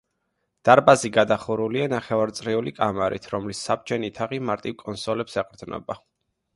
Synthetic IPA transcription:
d̪̥aɾbaziɡad̪aχuɾulianaχɛvaɾt̪sʼɾiulikʼamaɾḭt̪ʰɾɔmlisːab̚t͡ʃʰɛnit̪ʰaʁimaɾt̪ʼivkʼɔnsɔlɛpsɛqʼɾd̪nɔ̰ba

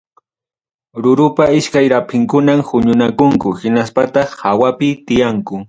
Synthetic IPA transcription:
ɾʊɾʊpaɪʃkajɾapʰɪŋkʊnamhʊɲʊnakʊŋkʊhɪnaspat̪ɑχhawapɪt̪ɪjaŋkʊ

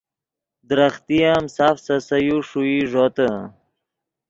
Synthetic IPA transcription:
d̪ɾɐχt̪ijamsaːfsɐsɐjuʂuiʐot̪ə

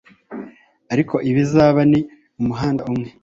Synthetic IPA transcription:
aɾikʰo̞ʔiβizaːβani | umuɦaːndaumŋe̞

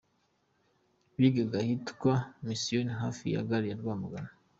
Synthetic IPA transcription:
βiɡeɡahitkwamisionɦaːfḭja̰ɡaɾijaɾɡwaːmuɡana

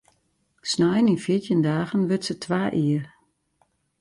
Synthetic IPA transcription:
snajəninfjiətjəndaːɣənʋøtsətʰʋaːʔiər

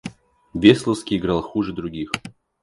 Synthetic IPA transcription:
vʲeslˠəskʲɪɪɡɾalˠxuʐɨd̪ɾʊɡʲix

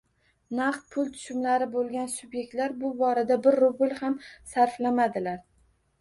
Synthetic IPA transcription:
naqt̪̚pʰʊlˠt̪ʰʊ̥ʃʊmlaɾɪbolˠɡʲansʊbje̞k̚ʲt̪laɾbʊbɒɾad̪abɪɾːʊbɪlˠhamsaɾflamad̪ɪlaɾ

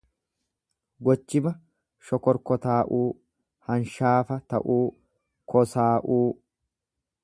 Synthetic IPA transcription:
ɡɔt͡ʃːɪmɐ | ʃɔkɔɾkɔt̪aːʔuː | hɐnʃaːfɐt̪ɐ̰ʔuː | kʰɔsaːʔuː

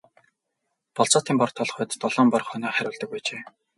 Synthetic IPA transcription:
pɔɮt͡sɔːt̪iːmpɔr̆t̪ʰɔɮ̆χʊːt̪ːɔɮɔːmpɔr̆χœnɔːχæɾʲʊːɮt̪ɞ̆k̚pæːt͡ɕeː

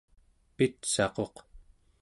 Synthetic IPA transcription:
pit̪sɑqo̞q

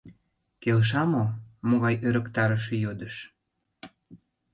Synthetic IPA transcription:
kelʃ̬ɑmomoɣɑjʔøɾə̆kt̪ɑɾəʃ̬ĕjod̪əʃ

